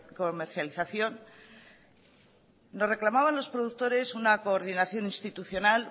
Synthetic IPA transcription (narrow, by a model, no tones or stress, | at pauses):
komeɾθjaliθaθjo̞n | o̞re̞klamaβ̞anlo̞spɾoðukt̪o̞ɾe̞sunako̞ːɾðinaθjo̞nĩnst̪it̪uθjo̞nal